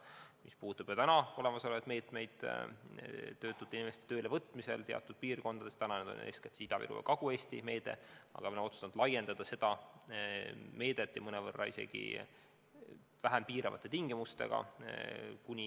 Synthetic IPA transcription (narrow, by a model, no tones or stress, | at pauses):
mispuːt̪ːˑub̥jot̪ænɑo̞le̞mɑso̞levɑd̪me̞ːt̪ˑmejd̪̥ | t̪ːø̞ːt̪ːˑud̪̥ˑinʲime̞st̪et̪øːlevɤt̪ːˑmise̞̰lt̪e̞ɑ̰t̪ːˑud̪̥̚piːrko̞nd̪ɑd̥̪e̞st̪ænɑned̪o̰nḛsket̪siːd̪ɑvḭlṵḛkɑɡ̥ue̞ːst̪ime̞ːd̪e̞̰ɑ̰ɡ̥ɑmenot̪su̥st̪ɑnd̪lɑje̞nd̪̥ɑd̪̥ɑse̞d̪̥ɑ | me̞ːd̪̥et̪ːjɑmɤnevɤrːɑ̰ise̞̰ɡ̥ḭ | væɦæmpiːɾɑvɑ̰t̪ːˑe̞t̪iŋɡ̥imust̪e̞̰ɡ̥ɑ̰ | kunʲi